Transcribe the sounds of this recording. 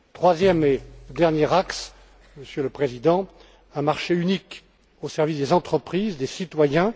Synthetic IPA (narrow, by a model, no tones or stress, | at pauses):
t̪χwazjɛmed̪ɛʁnjɛʁaks | məsjøləpχezid̪ɑ̃ | ɛ̃maʁʃeynik | osɛʁvisd̪ezɑ̃t̪χəpχizd̪esit̪wajɛ̃